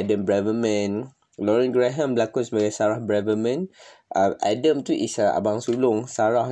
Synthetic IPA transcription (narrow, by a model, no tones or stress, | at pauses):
adə̃mbɹɛvəmə̃n | lɔɹɛ̃nɡɹɛɦə̃mbəlakʊ̃nsbaɡasaɹahbɹɛvəmə̃n | ʔaʔa̰də̃mt̪uʔḭsaa̰baŋsulʊŋsaɹah